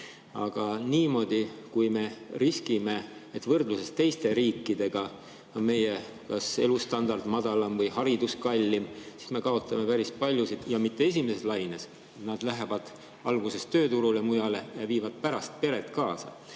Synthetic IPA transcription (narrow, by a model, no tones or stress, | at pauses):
ɑ̰ɡ̥ɑniːmo̞d̪̥ikujme̞riskime̞et̪ːvɤrd̪̥luse̞st̪e̞jst̪e̞ɾiːkˑːid̪e̞ɡ̥ɑ | me̞je | kɑse̞lust̪ɑnd̪ɑrd̪̥mɑd̪̥ɑlɑmvɤjhɑɾid̪̥uskɑlʲːimsi̥sme̞kɑo̞t̪ːˑɑme̞pæɾispɑlʲjusid̪̥jɑmit̪ːe̞es̬ʲimeseslɑjne̞s | nɑd̪læɦevɑd̪̥ | ɑlɡ̥use̞st̪ø̞ːt̪uɾule̞mujɑle̞jɑviːvɑd̪̥̚pæɾɑst̪̚pe̞ɾet̪ːˑkɑːsɑ̰